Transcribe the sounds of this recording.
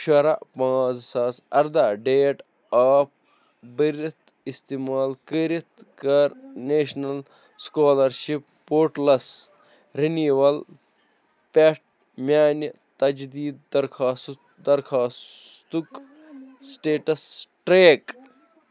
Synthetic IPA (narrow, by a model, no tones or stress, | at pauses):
ʃɐɾaʔpãːt͡ssaːsɐɾd̪aːɖeːʈ | aːp̚ | bəɾit̪ | ist̪imaːlkəɾit̪kɐɾneːʃnɐl | skoːlɐɾʃipːoːɾʈlɐs | ɾiniʋɐl | peʈ̚ | mjaːnɐt̪ɐd͡ʒd̪iːd̪ɐɾkʰaːs | d̪ɐɾkʰaːst̪uk | sʈeːʈɐsʈɾeːk